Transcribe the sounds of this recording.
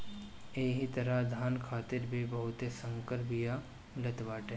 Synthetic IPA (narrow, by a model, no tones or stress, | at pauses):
eːɦit̪ɐɾəɦd̪ʱaːnkʰaːt̪ɪɾbʱibɐɦʊt̪esə̃ŋkəɾbija | mɪlət̪ʋaːʈɦe